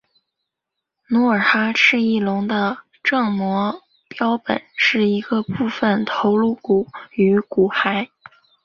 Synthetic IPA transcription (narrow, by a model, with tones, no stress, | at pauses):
nu˧˥ə˞˨˩xa˥ʂɻ̩˥˧i˥˩lʊ˧˥ŋd̪ə˧ | ʈ͡ʂɤ˥˩ŋmwɔ˧˥ | pjɑ˥ʊpə̰˨˩˦nʂɻ̩˥˩i˧˥ɡə˧pu˥˩fə˩nt̪ʰo˧˥ʊlu˥˩ku˨˩y˧˥ku˨˩xa˧˥ɪ